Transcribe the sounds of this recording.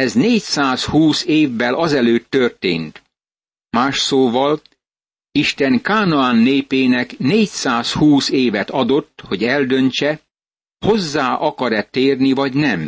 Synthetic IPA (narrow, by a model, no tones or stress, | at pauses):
ɛzneːcsaːshuːseːvːɛlʔɒzɛløːt̪ːørt̪ḛːnt̪ | maːʃsoːvɒl | iʃt̪ɛŋkaːnɒaːnːeːpeːnɛkneːcsaːshuːseːvɛt̪ɒd̪o̞t̪ːho̞ɟɛld̪ønt͡ʃɛ | ho̞zːaːʔɒkɒɾɛt̪eːrnivɒɟnɛm